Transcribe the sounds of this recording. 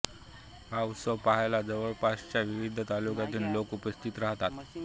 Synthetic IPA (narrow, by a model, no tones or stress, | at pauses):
ɦausəʋpaɦajlad͡zəʋəɭpast͡ɕjaʋiʋid̪ʱːət̪alukat̪iːnlokupəst̪ʰit̪ɾaɦt̪at̪